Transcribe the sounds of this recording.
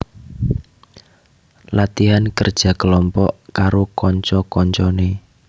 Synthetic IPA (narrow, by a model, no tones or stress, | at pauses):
lat̪iɦankərd̥ʒ̥a̤kəlɔmpɔʔkaɾokɔɲt͡ʃɔkɔɲt͡ʃɔne